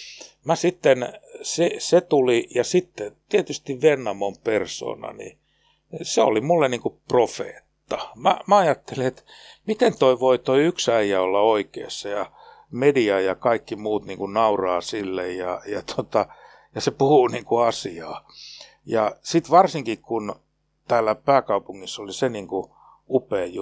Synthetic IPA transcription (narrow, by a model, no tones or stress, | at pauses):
mæsit̪ːenseset̪ulijɑsit̪ːet̪iet̪yst̪iʋʋenːɑmomperso̰ːnɑ̰nḭ | seo̰limulːeniːŋkuprofḛːt̪ːɑmæ̰mæɑjɑt̪ːeliet̪mit̪ent̪oiʋoit̪oiyksæijæolːɑoikḛːsːɑjɑ | mediɑjɑkɑikːimuːt̪niːŋkunnɑurɑːsilːejjɑjɑt̪ot̪ɑ | jɑsepuhuniːŋkuɑsiɑː | jɑsit̪ʋɑrsiŋkikkun | t̪æːlːæpæːkɑupuŋːisːoliseniŋku | upeːjju